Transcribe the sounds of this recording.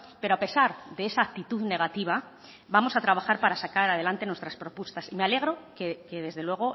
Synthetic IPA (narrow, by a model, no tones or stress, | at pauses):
pe̞ɾo̞ape̞saɾðeesaːk̚t̪it̪uðne̞ɣat̪iβ̞a | bamo̞sat̪ɾaβaxaɾpaɾasakaɾað̞e̞lant̪e̞nwest̪ɾaspɾo̞pwe̞st̪asimeale̞ɣ̞ɾo̞keke̞ðe̞zðe̞lwe̞ɣ̞o̞